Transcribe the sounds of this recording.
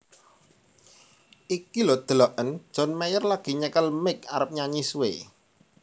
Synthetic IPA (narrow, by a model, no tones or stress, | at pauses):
ʔikilɔd̪̥əlɔʔən̥ʒ̥ɔ̤nmɛjərlaɡ̥i̤ɲəkəlmɪk̚aɾəp̚ɲaɲiswḛ